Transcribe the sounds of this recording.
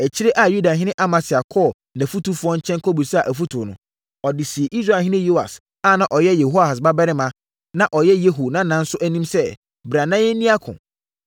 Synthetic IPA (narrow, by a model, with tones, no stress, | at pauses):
æ˨t͡ɕʰi˦ɾe˦ʔa˨ju˦da˨ɦɪ̃˦ɪ̃˦ʔa˦mã˨sɪ˨a˨kʰɔː˦˨ | næ̃˨fu˦tu˦fʊ˦ɔ̃˦ɲ̩˦t͡ɕʰɛ̃˦ŋkʰo˦bu˨sa˨ʔæ˨fu˦tʰʊ˨nʊ̰̃˨˦ | ɔ˨dɪ˨si˨e˨ʔi˦s̬ɾa˨ɦɪ̃˦nɪ̃˦jo˦a̰˨s | a˦˨nã˨ʔɔ˨jɛ˦je˨ɦo˦a˨a˨s̬ba˦bɛ˦ɾɪ˦mã˦ | nã˦ʔɔ˨jɛ˦je˦ɦo˨nã˦nã˦n̩˦sʊ˦ʔæ˦nĩ˦msɛ˦ | bɾa˨nã˦jɛ˦nĩ˦a˦kʰʊ̰̃˨